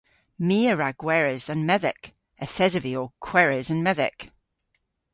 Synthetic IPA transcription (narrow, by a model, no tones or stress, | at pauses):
miːəɹaɡ̥wɛɹɪzə̃nmɛðɪ̰k | əθɛzəviokʰw̥ɛɹɪzə̃nmɛðɪ̰k